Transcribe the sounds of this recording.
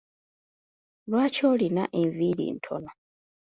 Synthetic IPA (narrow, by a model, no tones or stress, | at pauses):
lwaːco̞ːlinaʔeɱvilḭːntʰo̰no